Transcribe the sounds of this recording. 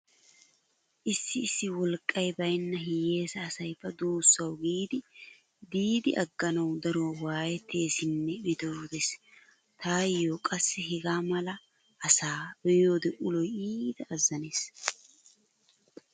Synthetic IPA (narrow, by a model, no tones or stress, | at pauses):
ʔɪsːɪːsːɪwɔlkʼːɐjbɐjnːɐɦɪje̞ːsɐːsɐjfːɐd̪oːsːɐwɡiːd̪ɪ | d̪iːd̪ɪʔɐɡːɐnɐwd̪ɐɾoːwaːjɛt̪ːeːsɪnːɛbɪd̪od̪ɛs | t̪aːjːokʼɐsːɛɦɪɡaːmɐlɐ | ʔɐsaːbɛjo̞ːd̪ɛʔʊlɔjiːd̪ɐːzːɐne̞ːs